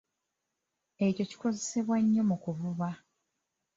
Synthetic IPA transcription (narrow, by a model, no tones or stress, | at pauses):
e̞co̞ci̥ko̞ze̞se̞βwaɲːo̞mukuvuβa